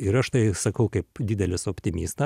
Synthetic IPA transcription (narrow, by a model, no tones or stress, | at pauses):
ɪɾɐʃt̪ɐɪsɐkɐʊkɐɪpd̪ʲiːd̪ʲɛlʲɪsoːpʲt̪ʲɪmʲiːst̪ɐ